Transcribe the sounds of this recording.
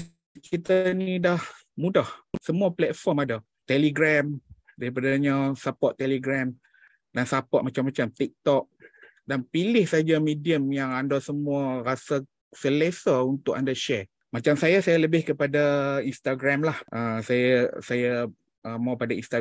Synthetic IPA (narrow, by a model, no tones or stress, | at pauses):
kit̪anidah | mũdahsəmũaplɛt̪̚fɔmada | t̪eliɡɾam | daɾipadaɲãsapɔt̪ːeliɡɾam | dansapɔt̪ʔ̚mat͡ʃamːat͡ʃamt̪ik̚t̪ɔk̚ | danpilɪhsad͡ʒamidiəmjaŋandasəmuaɾasa | səlesəunt̪ʊkandəʃɛ | mat͡ʃamsajasajaləbɪhkəpadainst̪aɡɾamlahʔəsajasaja | əmawpadainst̪a